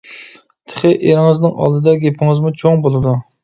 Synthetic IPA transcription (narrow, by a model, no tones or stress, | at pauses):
t̪ʰə̥χɪʔeɾɪŋɨznɪŋʔɑ̰lˠd̪ɨd̪ɛɡʲepʰɪŋɨzmut͡ʃʰoŋbolˠɨd̪u